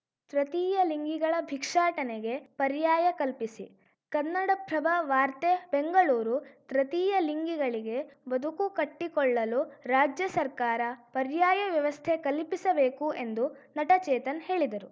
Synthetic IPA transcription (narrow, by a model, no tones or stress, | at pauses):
t̪ɾɐt̪iːjɐliŋɡiɡɐɭɐbʱikʂaːʈɐneɡe̞pɐɾjaːjɐkɐlpisi | kɐnːɐɽɐpɾɐbɐʋaːɾt̪ebeŋɡɐɭuːɾut̪ɾɐt̪iːjɐliŋɡiɡɐɭiɡe̞bɐd̪ʱukukɐʈːikɔɭːɐluɾaːd͡ʒjɐsɐɾkaːɾɐpɐɾjaːjɐʋjɐʋɐst̪ʰekɐlpisɐbeːkue̞nd̪u | nɐʈɐt͡ʃɛːt̪ɐnɦe̞ːɭid̪ɐɾu